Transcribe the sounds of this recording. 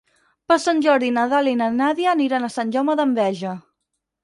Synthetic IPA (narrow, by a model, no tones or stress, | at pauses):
pəsanʲʒɔɾðinəðalinənaðiəniɾanəsanʲʒɔməðəmbɛʒə